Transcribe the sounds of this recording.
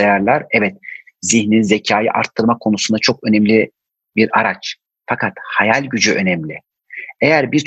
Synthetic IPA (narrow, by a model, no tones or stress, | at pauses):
ajaɾlˠaɾɛvɛt̪̚ | ziçninze̞cʰaːjɯ̰ʔa̰ɾt̪ʰːɯɾmakʰo̞nusund̪at͡ʃʰo̞kønɛmlʲi | biɾaɾat͡ʃ | fakʰat̪hajalʲɟyd͡ʒyʔø̞nɛmlʲɪ | ejæɾbiɾt͡ʃ